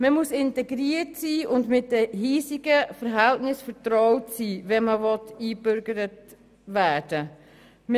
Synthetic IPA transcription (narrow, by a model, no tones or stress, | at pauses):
məmusɪntɛɡɾiətsiːʊndmɪt̚dəɦiːsɪɡəfəɾɦæltnɪsfəɾtɾɔʊtsiːʋɛnməvɔtiːbʏɾɡəɾət | ʋæːd̥ə | m